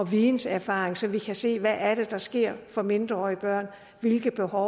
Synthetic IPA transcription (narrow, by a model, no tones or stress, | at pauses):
ɒ̽ʋiːn̩sæɐfɑ̈ːeŋsɒ̽mʋikʰæse̝̰ːʋæʔːɐɾ̥e̝d̥ɑ̈sɡ̥e̝ɐ̰fɒ̽me̝nd̥ʁɐɒ̰ːib̥ɶɐ̰n | ʋe̝lɡ̥ð̩ˠb̥e̝hɒʊ